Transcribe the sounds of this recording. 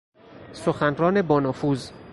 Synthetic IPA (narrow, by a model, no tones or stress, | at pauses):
soxænrɒːne̞bɒːnɒːfuːz